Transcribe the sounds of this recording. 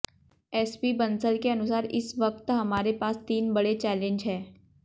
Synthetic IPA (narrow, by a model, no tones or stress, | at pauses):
ɛːspibɐ̃nsəlkeɐnʊsaːɾɪsʋɐk̚t̪ɦɐmaːɾepaːst̪iːnbɐɽet͡ʃɛːlẽɲd͡ʒɦɛː